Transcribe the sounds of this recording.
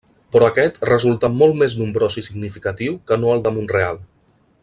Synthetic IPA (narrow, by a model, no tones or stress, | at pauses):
pɾɔəkɛt̪rəzulˠt̪amolˠt̪meznumbɾosisiɡnifikat̪iwkənoəlˠd̪əmunrealˠ